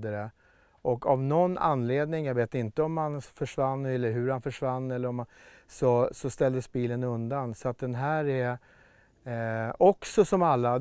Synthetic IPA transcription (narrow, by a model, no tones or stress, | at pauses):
d̪əɾɛ | ʔɔkːavnɔnːa̰nːleːd̪nɪŋjaɡveːt̪ɪnt̪əɔmhanfœʂvanːɛlːəɾɦɵɾhanfœʂvanːɛlːəɾɔma | sɔsɔst̪ɛld̪əsbiːlənɵnd̪ansɔat̪̚d̪ɛnɦæːɾæ | ɔksɔsɔmalːa